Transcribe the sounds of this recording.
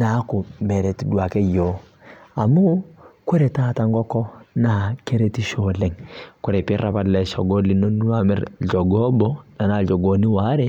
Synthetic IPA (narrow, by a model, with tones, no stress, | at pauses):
na˨˦kʊ˨mɛ˨ɾɛ˨ti˨dwa˨kɛ˦jo˨˦ | a˨mu˦kwɛ˦ɾɛ˨ta˦˨ta˦ŋɡɔ˦kɔ˦na˦˨ke˦ɾe˦ti˦ʃɔ˨lɛ˦ŋkwɛ˦ɾɛ˨pi˦rɾa˨pa˦lɛ˨ʃɔ̰˨ɡɔ˦li˨˦no˦nu˦a˨mɛ̰˦ɾd͡ʒɔ˨ɡɔ˦bɔ˦na˨na˨d͡ʒɔ˨ɡo˨ni˦wa˨˦ɾɛ˦